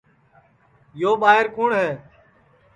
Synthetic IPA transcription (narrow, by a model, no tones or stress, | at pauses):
joːɓaːɦɪɾkʊːɳɦɛː